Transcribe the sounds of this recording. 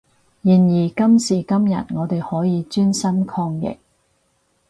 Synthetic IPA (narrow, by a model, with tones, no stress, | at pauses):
jiː˨˩njiː˨˩kɐ˥msiː˨˩kɐ˥mjɐ̰˨t̚ŋɔː˨˧t̪e˨jhɔː˨˥jiː˨˧t͡ʃyː˥nsɐ˥nkʰɔː˧ŋjɪ̰˨˩k̚